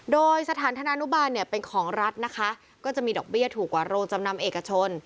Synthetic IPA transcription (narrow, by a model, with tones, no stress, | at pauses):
doː˧jsa˧t̪ʰaː˩˦nt̪ʰa˧na˧nu˦˥baː˧nːi˥˩ɐpe˧nkʰɔː˩˦ŋɾa˦˥t̪̚na˦˥kʰa˦˥ʔ | kɔː˥˩t͡ɕa˨˩ʔmiː˧dɔː˨˩k̚bi˥˩ət̪ʰuː˨˩kwaː˨˩ɾoː˧ŋt͡ɕa˧mna˧mʔeː˨˩kːa˧t͡ɕʰo˧n